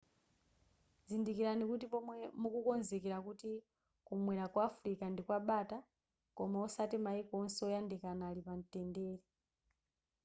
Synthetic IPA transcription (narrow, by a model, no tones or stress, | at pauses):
zindikiɾanikutipɔmwɛmukukɔnzɛkɛɾakuti | kumwɛɾakwaːfɾikandikwaɓata | kɔmausatimaikɔɔnsɛɔjandɛkanaːlipan̩tɛndɛːlɛ